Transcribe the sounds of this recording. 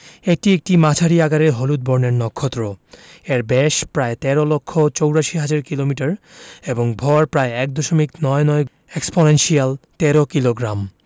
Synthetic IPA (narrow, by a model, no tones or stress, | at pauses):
eʈiek̚ʈimat͡ɕʰaɾiaɡaɾeɾɦolud̪̚boɾneɾnɔkʰːot̪ɾoeɾbeʃpɾaet̪ɛɾolokʰːot͡ɕowɾaʃiɦad͡ʑaɾkilomiʈaɾeboŋbʱɔɾpɾaeɛk̚d̪oʃomiknɔenɔe | eksponenʃialt̪ɛɾokiloɡɾam